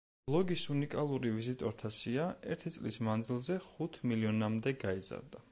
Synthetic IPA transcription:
b̥lˠɔɡisunikʼalˠuɾivizit̪ʼɔɾt̪ʰasiaɛ̰ɾt̪ʰit̪sʼlismand̪zilˠzɛχut̪ʰmiliɔnamd̪ɛɡaiza̰ɾd̪a

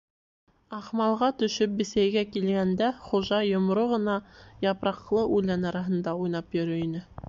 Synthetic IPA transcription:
ɑχmɑlˠʁɑt̪ɵ̆ʃɵp̚bɘ̆sæjɡækilɡænd̪æχuʒɑjŏmɾoʁɤ̆nɑjɑpɾɑqlˠɤʔulænɑɾɑɦɤ̆nd̪ɑujn̪ɑpjɵ̆ɾɵinɘ

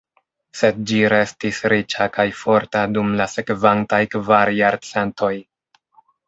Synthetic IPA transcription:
se̞d̚d͡ʒiɾe̞stisɾit͡ʃakajfo̞ɾtadumlase̞kvantajkvaɾjaɾt͡se̞ntʰo̞j

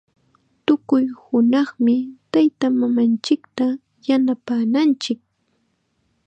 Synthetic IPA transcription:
t̪ʊkʊjhʊnɑχmɪt̪ajt̪amamant͡ʃɪkt̪a | janapaːnant͡ʃɪk̚

